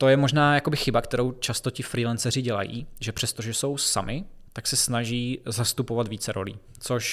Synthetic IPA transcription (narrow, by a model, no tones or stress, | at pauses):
t̪o̞jɛmo̞ʒnaːjako̞bɪxɪbakt̪ɛɾo̞wt͡ʃast̪ocɪfɾiːlɛnsɛrɪɟɛla̰jḭːʒɛpr̥ɛst̪oʒɛso̞wsamʔɪt̪aksɛsnaʒiːzast̪upovat̪viːt͡sɛɾo̞̰lḭː | t͡soʃ